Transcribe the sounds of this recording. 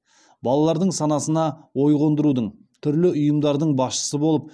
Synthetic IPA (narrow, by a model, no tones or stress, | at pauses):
bɑlˠɑlˠɑɾd̪əɴsɑnɑsənɑwo̞jʁo̞nd̪əɾud̪əɴ | t̪ʰʏɾlɪʊjəmd̪ɑɾd̪əɴbɑsʃə̥səbo̞lˠəp̚